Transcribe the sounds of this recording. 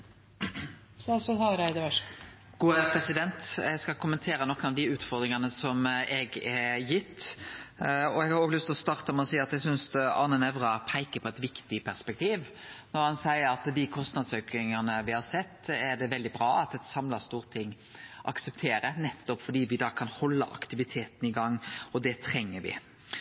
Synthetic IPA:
sɑsbəɑɾæɪd̪əʋʂ | ɡ̥uːəpʰɾɛsɪd̪ɛnt̪ɛɡskɑkʰʊmənt̪ʰeːɾənɔkːənɑʋd̪ɪʉːt̪fɔɾd̪ɾɪŋənəsɔmɛɡɛjɪt̪ː | ɔɛɡhɑɾoːɡlʏst̪lɔst̪ɑːʁt̪əmɛɔsiːɑt̪̚d̪ɛsʏnsɑ̰nənɛʋɾɑpʰæɪkəpʰɔɛt̪ʋɪkt̪ɪpʰæɾspɛk̚t̪ʰiːʋ | nɔɾhɑnsæɪəɾɑt̪d̪ɪkʰɔst̪nɑd̪søkɪŋənəʋɪhɑɾsɛt̪ːɛɖɛʋɛld̪ɪbɾɑːɑt̪ɛt̪sɑmlɑɾst̪uːʁt̪ʰɪŋː | ʔɑ̰ksɛpt̪ʰeːɾənɛt̪ːɔpfɔɖiːʋɪd̪ɑːkʰɑnhɔlːə̰ʔɑ̰kt̪ɪʋɪt̪ʰeːt̪n̩ɪɡɑŋːɔd̪ɛt̪ʰɾɛŋːəʋɪ̰

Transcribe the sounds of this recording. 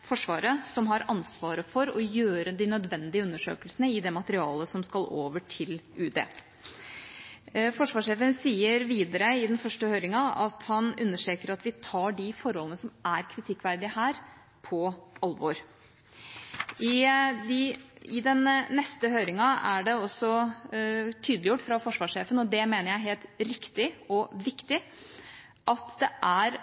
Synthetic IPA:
fɔʂʋɑːɾəsɔmɦɑɾɑnsʋɑːɾəfɔɾɔjøːɾəd̪ɪnœd̪ʋɛnd̪ɪəʉnːəʂø̰ːkəlsənəɪd̪ɛmɑt̪əɾɪɑːləsɔmskɑlo̰ːʋəʈʰɪlʉːd̪ḛː | fɔʂʋɑːʂeːfənsiːəɾʋiːd̪əɾəɪd̪ɛnfœʂʈəhøːɾɪŋɑɑt̪hɑnʉnːəʂʈeːkəɾɑt̪ʋɪt̪ʰɑːɖɪfɔɾhɔlənəsɔmæɾkʰɾɪt̪ʰɪkːʋæɾd̪ɪəhæːɾ | pʰɔɑlʋɔɾ | ʔɪd̪ɪɪd̪ɛnːɛst̪əɦøːɾɪŋɑæ̰ɖɛɔsːɔ | t̪ʰyːd̪lɪjʊʈːfɾɑfɔʂʋɑːʂeːfənɔd̪ɛmeːnəɾjæɪɦeːlt̪ɾɪkt̪ɪɔʋɪkt̪ɪ | ʔɑt̪d̪ɛʔæɾ

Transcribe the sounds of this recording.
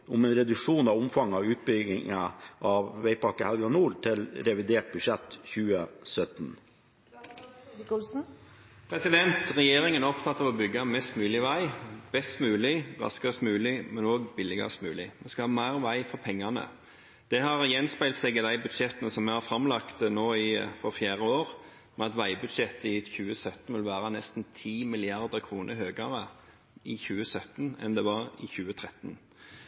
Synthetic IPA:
ʊmɛnɾɛd̪ʉkʂuːnɑʋʊmfɑŋɑʉːt̪̚bʏɡɪŋəʔɑʋʋæɪpʰɑkːəhælɡɑnuːlʈʰɪlɾɛʋɪd̪eːʈ̚bʉʃɛt̪çʉːəsœt̪n | pʰɾɛsɪd̪ɛnt̪ʰʁɛjeːɾɪŋənɔpt̪ʰɑt̪ːɑʋɔbʏɡɑmɛst̪mʉːlɪʋæɪb̥ɛst̪mʉːlɪʁɑ̰skəst̪mʉːlɪmɛnoːɡbɪlɪɡɑ̰smʉ̰ːlɪmɛskɑhɑːmæːʁʋæɪfɔʁpʰɛŋːɑnə̰ | d̪̥ɛhɑʁjɛnspæɪlt̪sɛɡɪd̪æɪbʉd̪ʃɛt̪ənəsɔmɛhɑɾfɾɑmlɑkt̪noːɪfɔɾfjæːɾəoːʁ | mɛɑt̪ʋæɪbʉd̪ʃɛt̪ːɪçʉːəsœt̪n̩ʋɪlʋæːɾɑnɛst̪n̩t̪ʰiːmɪlɪɑʁd̪əkʰʁuːnʔəɦøːɡɑʁə | ʔɪçʉːəsœt̪n̩ɛ̰nd̪ɛʋɑʁɪçʉːət̪ʰʁɛt̪n̩

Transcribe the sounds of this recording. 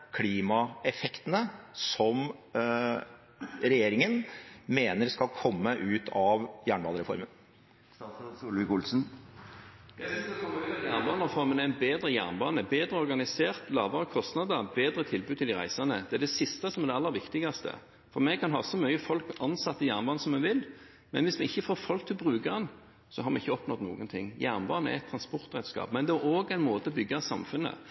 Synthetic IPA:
kʰliːmɑɛfɛkt̪ənəsɔm | ɾɛjeːɾɪŋənmeːnəɾskɑlkʰɔmːəʔʉːt̪ʰɑʋjæːɳbɑ̰ːnəɾɛfɔ̰ɾmən | sulʋɪkʊlsn̩ | d̪̥ɛɔkʰɔmːəɛjæːʁnbɑːnəɾʁɛfɔɾmənɛæɪnbeːd̪ɾəjæ̰ːʁnbɑːnəbeːd̪ɾəɔɾɡɑnɪseːʁt̪lɑ̰ːʋɑʁəkʰɔst̪nɑd̪əbeːd̪ɾət̪ʰɪlbʉd̪t̪ʰɪld̪ɪʁæ̰ɪsɑnəd̪ɛæd̪ɛsɪst̪əsɔmɛʁd̪ɛɑlːəɾʋɪkt̪ɪɡɑst̪ə̰ | fɔɾmɛɡkʰɑnɦɑ̰ːsɔmœʏəfɔlkɑnsɑt̪ːəjæʁnbɑːnəsɔmːɛʋɪl | mɛnʋɪsmɛɪçːəfoːɾfɔlk̚t̪ʰɪlbʁʉːkəʁɛn | sɔhɑɾmɛɪçːəɔpnɔd̪nṵːɡənt̪ʰɪ̰ŋːjæʁnbɑːnəɛ̰æ̰ɛt̪ʰɾɑnspɔɾt̪ʁɛt̪skɑ̰ːpmɛnd̪ɛæoːɡæɪnmoːt̪əɔbʏɡːɑsɑmfʉnːə̰

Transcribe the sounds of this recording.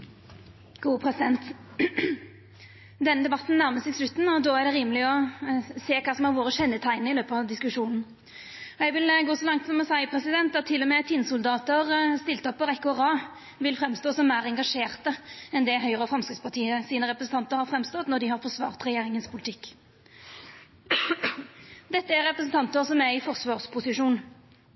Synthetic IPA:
ɡ̥uːpʰɾɛsɪd̪ɛnt̪ | d̪ɛnːəd̪ɛbɑt̪ːn̩næʁməsɪɡslʉt̪ːnɔd̪oːæʁɖɛɾiːməlɪɔseːkʰɑːsɔmhæɾʋoːɾəʃɛnːət̪ʰæɪnəɾɪløːpɑɑʋd̪ɪskʉʂuːnn̩ | ɔɛɡʋɪlɡoːsɔlɑŋt̪sɔmɔsæɪpʰɾɛsɪd̪ɛnt̪ɑt̪ʰːɪlːɔmeːt̪ʰɪnsʊld̪ɑːt̪əʁst̪ɪlt̪əɔpːɔʁɛkːʊɛʁɑː | ʋɪlfʁɛmst̪oːsɔmmæːʁɛŋɡɑʂeːʁt̪əɛnd̪ɛɦœʏʁəfɾɑmskɾɪt̪spʰɑʈʰiːəsiːnəʁɛpɾəsn̩t̪ɑnt̪əɾhɑɾfɾɛmst̪ɔt̪nɔd̪ɪhɑɾfɔʁsʋɑ̰ːʁt̪ʁɛjeːɾɪŋənspʰʊlɪt̪ʰɪkː | d̪ɛt̪ːəæɾɛpɾəsn̩t̪ʰɑnt̪əsɔmæɪfɔʁsʋɑːʁspʰʊsɪʂuːn

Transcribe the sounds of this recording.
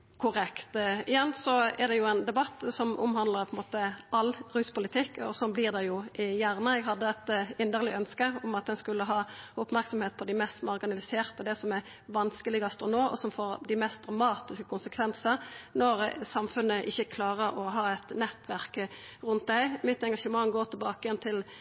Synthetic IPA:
kʰʊɾɛkt̪ɪjɛnːsɔɛʁd̪ɛjʊænd̪ɛbɑt̪ːsɔmʔʊ̰mhɑnd̪ləʁpʰɔɛnmoːt̪əʔɑlɾʉːspʊlɪt̪ʰɪkːɔ̰sɔnblɪʁd̪ɛjʊʔɪjæʁnəɛɡɦɑd̪ːəɛt̪ɪnd̪əʁlɪœnskəɔmɑt̪̚d̪ɛnskʉlːəɦɑːʊpmæɾksɔmheːt̪̚pʰɔd̪ɪmɛst̪mɑʁɡɪnɑlɪseːʁt̪əd̪ɛsɔmɛ | ʋɑnskəlɪɡɑst̪ɔnoːʔɔ̰sɔmfoɾd̪ɪmɛst̪̚d̪ʁɑmɑːt̪ɪskə̥kʰʊnsəkʰʋɛnsəɾnɔɾsɑmfʉnːəʔɪçːəkʰlɑːʁəɾɔɦɑːɛt̪nɛt̪ːʋæʁk | ʁʉnt̪̚d̪æɪmɪt̪ːɛŋɡɑʃəmɑŋɡoːʁt̪ʰɪlbɑːkəjɛnt̪ʰɪl

